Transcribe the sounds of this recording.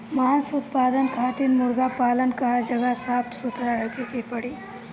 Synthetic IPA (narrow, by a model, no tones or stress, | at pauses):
mansʊt̪paːd̪ənkʰaːt̪inmʊɾɡapaːlənkaɾd͡ʒəɡasaːp̚t̪sʊt̪ʰɾaɾəkʰekepəɽiː